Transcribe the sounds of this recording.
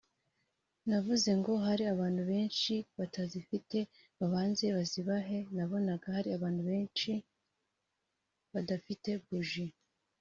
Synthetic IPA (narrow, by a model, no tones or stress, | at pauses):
navuze̞ŋɡo̞ɦaɾiaβaːnhuβe̞ːnʃiβatazifite̞ | βaβaːnze̞βaziβaɦe̞naβo̞naɡahaɾiaβaːnhuβe̞ːnʃi | βadafite̞buʒi